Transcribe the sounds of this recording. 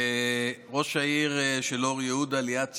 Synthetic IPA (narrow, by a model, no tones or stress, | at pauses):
ʁo̞ʃaiʁʃeloʁjeud̪aliat͡s